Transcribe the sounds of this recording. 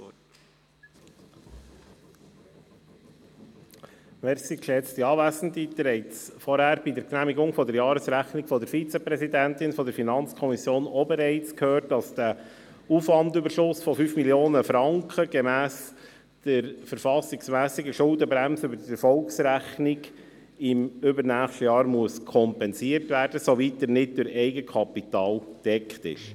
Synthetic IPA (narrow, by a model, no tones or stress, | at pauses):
meːɾsikʃɛt͡st̪iɑːvæːsn̩tit̪ːəɛɪtsfɔɾhæɾb̥idɛɾknæːmiɡʊŋfɔd̪əɾjɑːɾəsɾæχnɪɡfɔdəɾfit͡sɛpɾɛzidænt̪ɪnfɔd̪əɾfinɑnt͡skʰɔmisjoːnɔbɛɾɛɪt͡skʰhøːrt̚dɑsd̥æ | ufʋɑndybəɾʃʊsfɔfyːfmiljoːnəfɾɑŋkχəɡ̥emæːs | d̥əɾfəɾfɑsɪɡsmæːsɪɡəʃʊldəbɾæmsəʏbəɾdiɛɾfɔlksɾæχnɪɡ | ɪmʏbəɾnæːχʃtəjɑːɾmuəskʰɔmpɛnsiəɾtvæːɾd̥əsoʋit̚dəɾnɪd̚d̥ʊɾɛɪɡəkʰɑpitɑːld̥ɛkχtɪ̰ʃ